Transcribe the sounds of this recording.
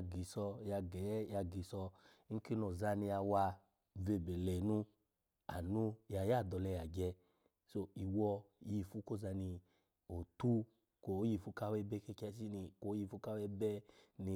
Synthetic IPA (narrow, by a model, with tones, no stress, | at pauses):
ɡi˨˦sɔ˧ja˧ɡɛ˨˦ja˧ɡi˨˦sɔ˧˦ | ki˦nɔ˨za˧ni˧ja˧wa˧ | ve˧˨be˨lɛ˨nu˧ | a̰˨nu˧ja˧ja˦˨dɔ˧lɛ˧ja˨ɡɛ˧ | so˧i˨wɔ˧ji˧˨fu˦ko˦˨za˧ni˧ | o˨tu˦ | ko˨˦ji˧˨fu˧˦ka˦wɛ˧˦bɛ˦kɛ˧kɛ˧˦si˦ni˧ko˨˦ji˧˨fu˧˦ka˦wɛ˧˦bɛ˦ni˧